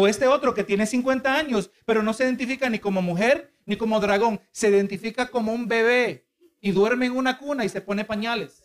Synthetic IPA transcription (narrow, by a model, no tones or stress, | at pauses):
oest̪e̞o̞t̪ɾo̞ke̞t̪je̞nesiŋkwe̞nt̪aaɲo̞spe̞ɾo̞no̞se̞iðe̞nt̪̬ifikaniko̞mo̞muxe̞ɾ | niko̞mo̞ðɾaɣ̞o̞ŋse̞iðe̞nt̪ifikako̞mo̞umbe̞βe̞ | iðwe̞ɾme̞ŋunakunaise̞po̞ne̞paɲale̞s